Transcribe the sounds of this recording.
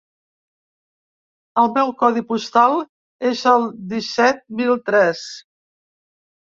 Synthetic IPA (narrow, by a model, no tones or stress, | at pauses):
əlˠmɛwkɔðipust̪alˠ | ezəlˠd̪isɛt̪̚milˠt̪ɾɛs